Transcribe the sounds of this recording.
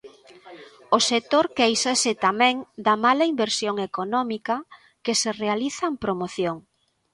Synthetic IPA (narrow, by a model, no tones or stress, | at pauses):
oset̪oɾkejsasɪt̪amɛ̃ŋd̪ɐmalɐimbeɾsjoŋekonɔmikɐ | keserealiθɐempɾomoθjoŋ